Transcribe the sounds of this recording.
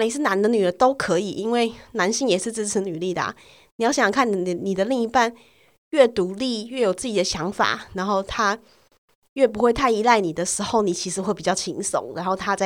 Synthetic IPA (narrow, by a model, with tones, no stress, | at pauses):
ni˨˩ʂɻ̩˥˩na˧˥nd̪ə˧ny˨˩lə˧˦t̪o˥ʊkʰɤ˧˥i˨˩ʔi˥nwe˥˩ɪna˧˥nɕi˥˧ŋjɛ˨˩ʂɻ̩˥˧t͡sɻ̩˥ʈ͡ʂ̩ʰ˧˥ny˨˩li˥˩d̪ə̰˩ | ni˨˩jɑ˥˩ʊɕɑ˨˩ŋkʰa˥˩n˨ə˨˩ni˨˩d̪ə˦li˥˧ŋi˧˥pa˥˧n | ɥɛ˥˩t̪u˧˥li˥˧ɥɛ˥˩jo˨˩ʊt͡sɹ̩˥˩t͡ɕi˨˩d̪ə˦ɕjɑ˧˥ŋfa̰˨˩ɻa˧˥nxo˥˩ʊt̪ʰa˥ | ɥɛ˥˩p̬u˧˥xwe˥ɪt̪ʰa˥˩ɪi˧˥la˥˩ɪni˨˩d̪ə˦ʂɻ̩˧˥xo˥˩ʊni˨˩t͡ɕʰi˧˥ʂɻ̩˧˥xwe˥˩ɪpi˨˩t͡ɕjɑ˥˩ʊt͡ɕʰi˧˥ŋso̰˨˦ŋɻa˧˥nxo˥˧ʊt̪ʰa˥t͡sa˥˩